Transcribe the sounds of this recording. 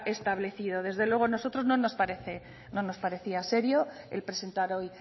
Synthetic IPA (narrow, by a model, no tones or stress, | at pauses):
e̞st̪aβle̞θið̞o̞ð̞e̞zðe̞lwe̞ɣono̞so̞t̪ɾo̞zno̞no̞spaɾe̞θe̞ | no̞no̞spaɾe̞θiase̞ɾjo | ḛlpɾe̞se̞nt̪aɾo̞j